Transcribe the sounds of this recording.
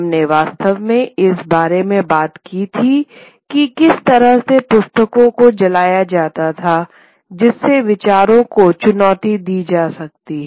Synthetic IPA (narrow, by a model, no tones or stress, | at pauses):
mneʋaːst̪əʋmẽɪsbaːɾemẽbaːt̪kit̪ʰi | kikɪst̪ɐɾəɦsepʊst̪əkõkod͡ʒɐlaːjad͡ʒaːt̪at̪ʰa | d͡ʒɪsːeʋɪt͡ʃaːɾõkot͡ʃʊnɔːt̪id̪iːd͡ʒaːsɐk̚t̪iɦɛ